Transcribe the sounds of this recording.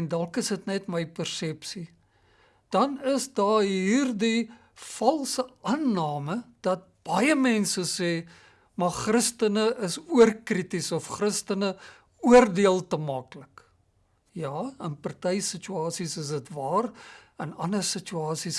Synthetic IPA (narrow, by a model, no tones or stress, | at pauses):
ɛndɐlkəsətnɛtməjpərsɛpsi | d̥ɐnəsdɑːɦiːrdi | fɐlˠsəʔɑnːɑːməd̥ɐt̚b̥ɐjəmɛnsəsɛː | mɐχrəstənəʔəsuərkritisɔfχrəstənə | uərdiəlˠtəmɑklək | jɑːənpɐrtɛjsit͡ʃyɑːsisəs̬ətvɑːrənɐ̰nəsit͡ʃuɑːsis